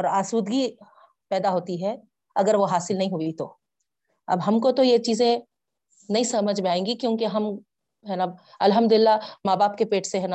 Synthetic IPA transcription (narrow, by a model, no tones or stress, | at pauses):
ɔːɾaːsuːd̪ɡi | pɛːd̪aɦoːt̪iɦɛ | ɐɡəɾʋoɦaːsɪlnɐɦĩɦuit̪o̰ | ɐ̰bɦɐmkot̪ojet͡ʃiːzẽ | nɐɦĩsɐməd͡ʒʱmeaːẽːŋɡikjõːkeɦɐm | ɦɛːna | ɐlɦəmd̪ʊlɪlːamaːbaːpkepeːʈʰseɦɛːna